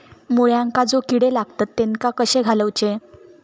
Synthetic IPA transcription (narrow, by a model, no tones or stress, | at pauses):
moɭjãŋkad͡zokiɽelaɡt̪at̪ːeŋkakəɕẽɡʱaləwt͡ɕe